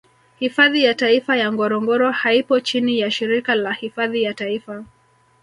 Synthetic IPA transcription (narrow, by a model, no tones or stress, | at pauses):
hifaðijataifajaŋɡɔɾɔŋɡɔɾɔhaipɔt͡ʃinijaʃiɾikalahifaðijataifa